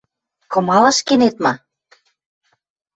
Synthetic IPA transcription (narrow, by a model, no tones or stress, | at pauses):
kɤ̆mɑlɑ̆ʃkenet̪̚mɑ